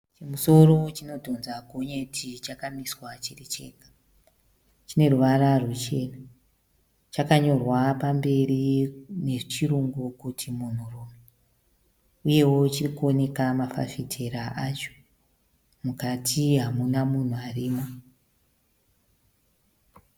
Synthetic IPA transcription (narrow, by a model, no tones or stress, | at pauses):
t͡ʃemuso̞ro̞t͡ʃino̞dʱo̞nzaɡʱo̞ɲetʰit͡ʃakamiswat͡ʃirit͡ʃe̞̰ːkḁ | t͡ʃine̞ruʋararut͡ʃe̞na | t͡ʃakaɲo̞rwapambe̞rine̞t͡ʃiɾuŋɡukutʰimun̤uruːme | uje̞wo̞t͡ʃirikuo̞ne̞kamafa̰fitʰe̞ɾaʔat͡ʃo̥ | mukatʰiɦamunamun̤uariːmo